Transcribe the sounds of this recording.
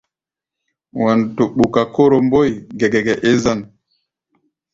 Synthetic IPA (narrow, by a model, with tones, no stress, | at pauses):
wa˨ntu˨ɓu˨ka˨ko˦ɾo˨mbo˦jɡɛ˨ɡɛ˨ɡɛ˨ʔe˦za˦n